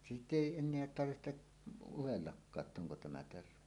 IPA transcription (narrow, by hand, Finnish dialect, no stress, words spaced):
sitˑ eˑi enˑeæ tɑrʋihteʔ uwelːɑkːɑː tː oŋko tæmæ terʋe